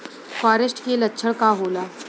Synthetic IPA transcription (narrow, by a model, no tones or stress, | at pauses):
faːɾəsʈkelɐtːʃʰəɽkaɦoːlaː